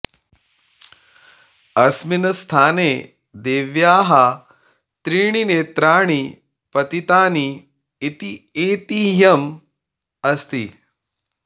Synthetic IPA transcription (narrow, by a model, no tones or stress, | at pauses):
ɐsminɐst̪ʰaːneː | d̪eːʋjaːɦɐ | t̪ɾiːɳ̃ineːt̪ɾaːɳ̃i | pɐt̪it̪aːniː | t̪ieːt̪iːjɐm | ɐst̪ḭ